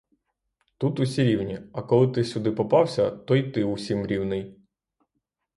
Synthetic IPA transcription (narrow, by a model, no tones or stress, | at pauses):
t̪ut̪usʲiɾʲiwnʲiɐkɔlˠɪt̪ɪsʲʊd̪ɪpɔpɑwsʲɐt̪ɔit̪ɪusʲimɾʲiwnɪj